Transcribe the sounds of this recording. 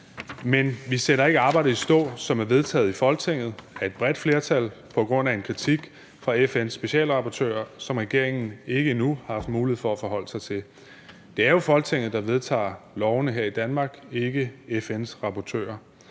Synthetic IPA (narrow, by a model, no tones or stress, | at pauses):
menʋiseɾɐe̝ɡ̥əɑ̈ːbɑ̈ɪd̩ˠisd̥ɔ̰̽ːsɒ̽mæɐʋe̝ð̞ˠt͡sʰɛ̰ːð̩ˠifɒ̽lɡ̥̚t͡sʰeŋ̰ð̞̩ˠæɐe̝d̥̚b̥ʁɛd̥fle̝ːɐt͡sʰælpʰɒ̽ɡ̥ʁɔ̽n̰æe̝nkʰʁit͡sʰiɡ̥ | fʁɑ̈efensːb̥e̝ɕɛ̰ːlʁɑ̈pʰɒt͡sʰø̰ːɐsɒ̽mʁɛɡ̥e̝ɐ̰eŋn̩e̝ɡ̥əinuhɑɑfd̥muːlihe̝ð̩̰ˠfɒæfɒ̽ɦɒ̽l̰ə̥sɑ̈ɪt͡sʰe̝l | d̥e̝æɐjo̝fɒ̽lɡ̥t͡sʰe̝ŋ̰ð̩ˠd̥ɑ̈ʋe̝ð̞ˠt͡sʰɑ̰̈ːlɒʊnəɦeɐ̰id̥ænmɑ̈ːɡ̥eɡ̥əefensʁɑ̈pʰɒt͡sʰø̰ːɐ